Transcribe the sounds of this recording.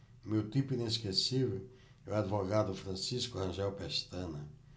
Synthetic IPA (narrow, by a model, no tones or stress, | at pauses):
mewt̪ipʊĩneskesivʊ | ɛwad̪ivoɣad̪ʊfɾɐ̃siskʊhɐ̃ʒɛwpɛʃt̪ɐ̃nɐ